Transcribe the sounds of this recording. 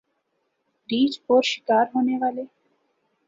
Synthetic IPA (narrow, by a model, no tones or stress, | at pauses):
ɾid͡ʑoɾʃi̥kaɾɦoneɡale